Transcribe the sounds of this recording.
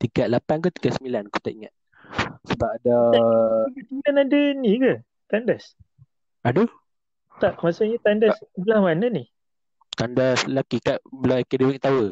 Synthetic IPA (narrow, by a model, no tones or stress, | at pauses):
t̪iɡaʔ̪lapank̬ot̪i̥ɡasəmilankot̪aʔiŋa̰t̪̚ | səbapadaiɡatilanadəniɡə | t̪andas | ado | t̪aʔmasaɲat̪andasəbəlahmanəni | t̪andaslakikaʔbəlaakedewik̚t̪awə